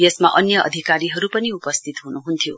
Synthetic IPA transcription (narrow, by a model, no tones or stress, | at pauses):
jesma̰ʔʌnjʌʌ̰d̪ʱikaɾiɦʌɾupʌniupʌst̪ʰit̪ɦunuɦunt̪ʰjo